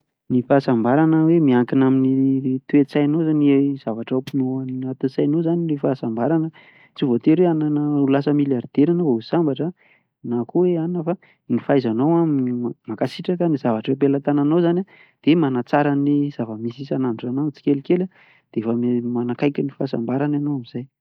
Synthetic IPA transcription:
nifaːsambaɾanəwemiaŋkinaminit̪uet͡sajnozaniez̥avaʈ͡ʂawpinoaniat̪usajnozaninifaːsambaɾanə | t͡sivot̪eɾeananəulasəmiljaɾd̪̥eɾanovausambaʈ͡ʂə | nakuweanəfa | nifajzanowamakasiʈ͡ʂakaniz̥avaʈ͡ʂwep̬elat̪ananowzana | d̪̥emanat͡saɾaniz̥avəmisisanaɳʈ͡ʂanat͡si̥kʲelkʲela | d̪̥efəmmanakajkʲanifasambaɾananowamiz̥aj

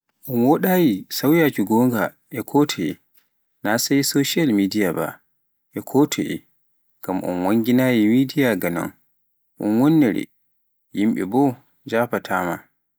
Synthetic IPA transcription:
ʔɔnwɔɗajisawjat͡ʃuɡɔːŋɡa | ʔɛkʰɔtʰɔɛ̰ | nasajsoʃalmidijaba̰ | ʔɛkʰɔːtʰɔ̰ʔɛ̰ | ɡ̥amʔɔ̰nwaŋɡinajimidijaɡanɔ̰n | ʔɔ̰nwɔnːɛɾɛ̰ | jimɓɛ̰bɔ | d͡ʒaːpatʰa̰ːma

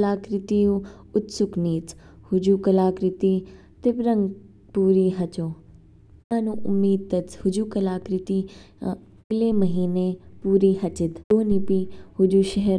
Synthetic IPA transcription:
laːkɾɪt̪ijũ | ʊt̪sʊkniːt͡s | hʊd͡ʒukɐlaːkɾɪt̪i | t̪ɪbɾə̃ŋɡ | puːɾiɦɐt͡ʃoː | ãːnũːʔʊ̰mːiːd̪̚t̪ɐt͡shʊd͡ʒuːkɐlaːkɾɪt̪i | ɐɡlemɐɦiːnepuːɾiɦɐt͡ʃɪd̪oːnipihʊd͡ʒuʃɛɦɛɾ

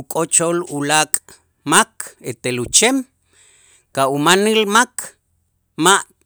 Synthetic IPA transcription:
ukʼot͡ʃolulakʼ | maket̪elut͡ʃem | kaumanilmakʰ | maʔ

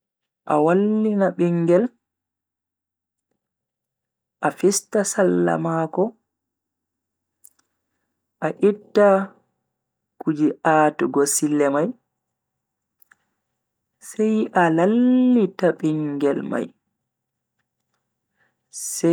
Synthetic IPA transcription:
ʔa̰walːinaɓiŋːɡɛl | ʔafistasalːa̰makɔ | ʔaʔitːa | kud͡ʒiʔaːtuɡɔsilːɛmaj | sɛjʔalalːitaɓiŋɡɛlma̰j | sɛ

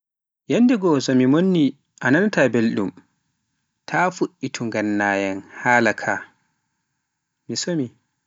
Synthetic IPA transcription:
janːdɛɡɔsɔmimonːi | ʔanantabelɗum | tʰafuʔːitʰuŋɡanːaːjanhaːlakʰaː | misomi

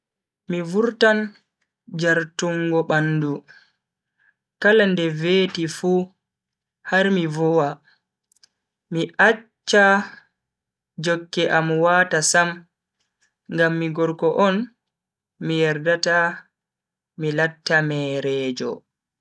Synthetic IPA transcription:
mivuɾtan | d͡ʒaɾtuŋɡɔɓanːdu | kalandɛveːtifu | haɾmivɔwa | miʔat͡ʃːa | d͡ʒɔkːɛʔamwaːtasam | ŋɡamːiɡɔɾkɔʔɔn | mijɛɾdata | milatːamɛɾɛːd͡ʒɔ̰

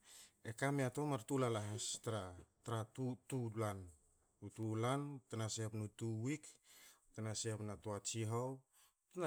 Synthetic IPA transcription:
ekameato̞maɾtulalaɦestaɾataɾatutulan | utulantanasepnutuwiktanasepnatoat͡ʃiɦow | tna

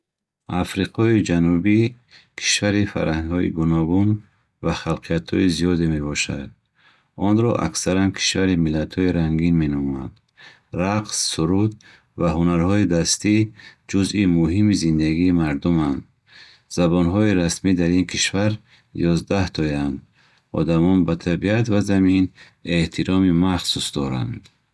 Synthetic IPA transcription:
afɾiqʰɔid͡ʒanubi | kʰi̥ʃvaɾifa̰ɾaŋhɔḭɡunɔɡun | vaχalqʰijat̪ʰhɔ̰izijɔd̪eme̞bɔʃa̰d̪̚ | ɔnɾɔ̰ʔa̰ksaɾankʰi̥ʃvaɾimilːat̪ʰhɔiɾaŋɡinme̞nɔmɔa̰d̪̥ | ɾaqsːuɾud̪ | vaɦunaɾhɔid̪ast̪id͡ʒuzimuɦimizind̪aɡiːmaɾd̪umand̪ | z̥abɔnɦɔiɾasmid̪aɾinkʰiʃvaɾ | jɔzd̪aht̪ʰɔjand̪ | ɔ̰d̪amɔnbat̪ʰabiat̪vazamin | e̞ht̪ʰiɾɔmimaχsusd̪ɔɾa̰nd̪

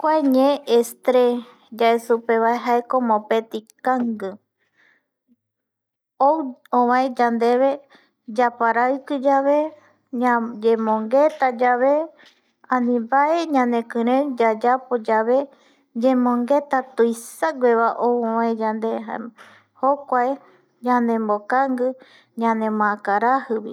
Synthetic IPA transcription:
kʷaeɲẽʔːst̪ɾe | d͡ʒaesupeβaeɦaekomõpet̪ikaŋɡɨ | owõβãẽd͡ʒand̪eβe̞ | d͡ʒapaɾaɨkɨd͡ʒaβe̞ | d͡ʒemõŋɡet̪ad͡ʒaβe | ãnĩbaʔeɲãnẽkɨ̃ɾ̃ẽd͡ʒad͡ʒapod͡ʒaβe̞ | d͡ʒẽmõŋɡe̞t̪at̪uisaɡʷeβaʔoõβãẽd͡ʒand̪eɦa | hokʷae | ɲãnẽmbokaŋɡɨ | ɲãnẽmãkaɾahɨβi

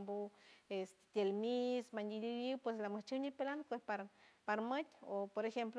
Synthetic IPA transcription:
mbuest̪e̥t̪jelmismanilijiwpweslaməht͡ʃiwɲilpelanopwespaɾpaɾmɨt̪ʲopoɾexempl

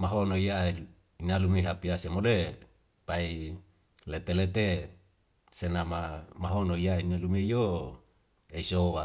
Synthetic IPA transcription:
maɦonoija | inalumeɦapiasemode | pai | let̪elet̪e | senamamaɦonoijainalumejo | eisowa

